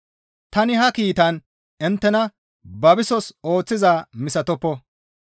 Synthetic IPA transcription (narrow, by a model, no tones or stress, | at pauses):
t̪ɐnɪɦɐkiːt̪ɐn | ɛnt̪ːɛnɐ | bɐbɪsɔso̞ːt͡sːɪzaːmɪsɐt̪ɔpːɔ